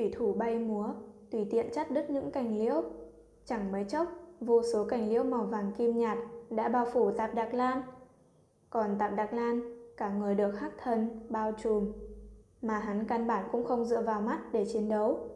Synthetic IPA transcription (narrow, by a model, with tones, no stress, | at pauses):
t̪wi˧˩t̪ʰu˧˩ɓa˧jmu˨˦ət̪wi˧˩t̪ḭ˧˨ənt͡ɕa˦˥t̚ɗɨ˦˥t̚ɲɨ̰˧˥ŋka˧˩jŋ̟lḭ˧˥əw | t͡ɕa˧˩ŋməː˨˦jt͡ɕə˦˥wk͡p̚vo˧so˨˦ka˧˩jŋ̟lḭ˧˥əwma˨˩wvaː˨˩nki˧mɲaː˨˩t̚ɗa̰ː˧˥ɓaː˧wfu˧˩t̪aː˨˩p̚ɗa˨˩k̚laː˧n | kɔ˨˩nt̪aː˨˩p̚ɗa˨˩k̚laː˧nkaː˧˩ŋɨ˨˩əjɗɨ˨˩ək̚haː˦˥k̚t̪ʰə˧˩nɓaː˧wt͡ɕu˨˩m | maː˨˩ɦa˨˦nkaː˧nɓaː˧˩nkʊ̰˧˥ŋ͡mxə˧wŋ͡mzɨ̰˧˨əvaː˨˩wma˦˥t̚ɗe˧˩t͡ɕi˨˦ənɗə˨˦w